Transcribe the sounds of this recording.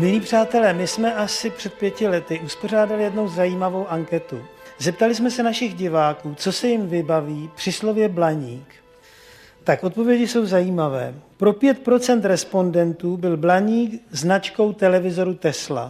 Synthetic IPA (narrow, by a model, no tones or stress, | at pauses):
mɪliːpr̝̥aːt̪ɛlɛːmɪsmɛʔasɪpr̥ɛt̪̚pjɛcɪlɛt̪ɪuspo̞r̝aːdalɪjɛdno̞wzajiːmavo̞wʔaŋkɛt̪uzɛp̚t̪alɪsmɛsɛnaʃɪɣɟɪvaːkuːt͡so̞sɛjɪmvɪbaviːpr̥ɪslo̞vjɛblaɲiːk | t̪akʔot̪̚po̞vjɛɟɪso̞wzajiːmavɛ̰ːpɾo̞pjɛt̪̚pɾo̞t͡sɛnt̪ɾɛspo̞ndɛnt̪uːbɪlblaɲiːkznat͡ʃko̞wt̪ɛlɛvɪzo̞ɾut̪ɛsla̰